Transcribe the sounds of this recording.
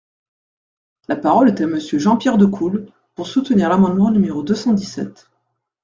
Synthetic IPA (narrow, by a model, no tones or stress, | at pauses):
lapaʁɔlet̪aməsjøʒɑ̃pjɛʁd̪əkʰul | puʁsut̪niʁlamɑ̃d̪mɑ̃nymeʁod̪øsɑ̃d̪isɛ̰t̪